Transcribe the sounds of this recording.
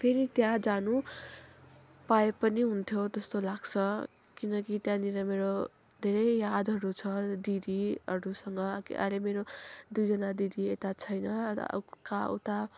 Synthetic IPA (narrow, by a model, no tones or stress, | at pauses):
pʰeɾit̪jãd͡zanu | paepʌniɦunt̪ʰjot̪ʌst̪olaɡt͡sʰʌ | kinʌkit̪jãniɾʌmeɾo | d̪ʱeɾʌjjad̪ʱɦʌɾut͡sʰʌd̪id̪iʌɾusʌŋɡʌkḭʔa̰lemeɾod̪ujd͡zʌnad̪id̪iet̪at͡sʰʌjnʌ̰ka̰t̪a